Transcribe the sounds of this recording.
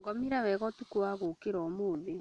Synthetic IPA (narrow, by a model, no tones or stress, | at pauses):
ɡɔmiɾawɛɣɔtukuwaɣokeɾɔːmoːðe